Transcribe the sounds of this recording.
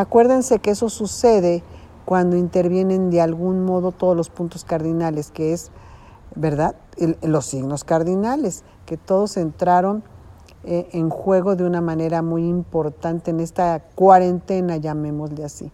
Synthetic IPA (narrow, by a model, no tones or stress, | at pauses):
akwe̞ɾðense̞keeso̞suse̞ðe | kwand̪oint̪e̞ɾβje̞ne̞nd̪ealɣunmo̞ðo̞t̪oðozlospunt̪oskaɾðinaleskees | beɾðaðlo̞siɣnoskaɾðinales | ke̞t̪o̞ðose̞nt̪ɾaɾo̞n | eʔeŋxwe̞ɣo̞ðeunamãne̞ɾamujimpo̞ɾt̪ant̪e̞ːne̞st̪akwaɾe̞nt̪e̞naʝamẽ̞mozleasḭ